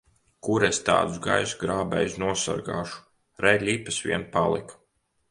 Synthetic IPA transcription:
kuɾest̪a̰ːd̪uzɡa̰jsɡɾaːbɛ̰jsnuɔsa̰ɾɡa̰ːʃu̥ | ɾɛlʲipasʋʲḭɛnpalˠḭk

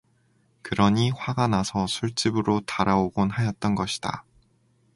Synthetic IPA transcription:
kɯɾʌɲiɸwaɡanasʰʌsʰuɭt͡ɕ͈ibɯɾotaɾaoɡonɦajʌt̚t͈ʌnɡʌɕʰi̥d̥a̰

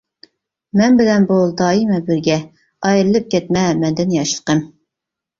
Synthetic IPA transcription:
mɛnbɪlɛnbolˠd̪ɑːimɛbɪɾɡʲɛ | ɑjɾɨlˠɨp̚kʲʰɛt̪mɛmɛnd̪ɪnjɑʃlˠə̥qəm

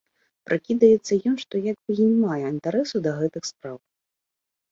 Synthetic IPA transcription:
pɾʔɨkʲid̪ɐjɛt̪sːɐjɔnʂt̪ɔjaɡbɨjinʲmajɛint̪aɾɛsud̪ɐɣɛt̪ɨxspɾaw

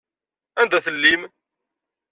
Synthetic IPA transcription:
ænd̪æθəlːim

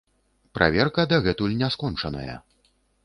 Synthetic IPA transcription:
pɾʔa̰vʲɛrkɐd̪ɐɣɛt̪ulʲnʲɛskɔnt͡ʂɐnɐ̰jɐ̰

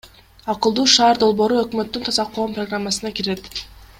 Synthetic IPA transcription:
ɑqɯlˠd̪uːʃɑːɾd̪o̞lˠbo̞ːɾuø̞kmø̞t̪ːynt̪ʰɑzɑqʰːo̞ːmproɡramːasɯnɑkiɾe̞t̪

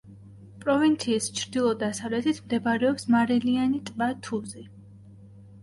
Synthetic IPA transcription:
pʼɾɔvint̪sʰiːst͡ʃʰɾd̪ilˠɔd̪asavlɛt̪ʰit̪ʰmd̪ɛbaɾɛɔpsmaɾilianit̪ʼvat̪ʰuzi

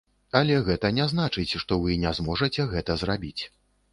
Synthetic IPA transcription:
ɐlʲɛɣɛt̪ɐnʲɛznat͡ʂɨt͡sʲʂt̪ɔvɨnʲɛzmɔʐɐt͡sʲɛɣɛt̪ɐzrabʲit͡sʲ

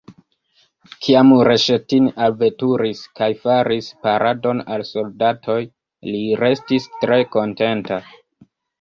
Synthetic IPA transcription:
kʰiamɾe̞ʃetinalvetuɾiskajfaɾispaɾado̞nalso̞ldatʰo̞j | liɾe̞stistɾe̞ko̞nte̞nta

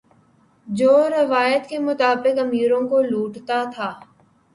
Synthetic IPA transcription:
d͡ʒoːɾɐʋaːjət̪kemʊt̪aːbɪkɐmiːɾõkoluːʈt̪at̪ʰaː

